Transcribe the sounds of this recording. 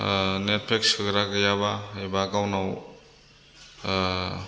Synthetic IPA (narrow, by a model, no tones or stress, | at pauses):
net̚pʰekskʰɯɡɾaɡɐjabaebakawnaw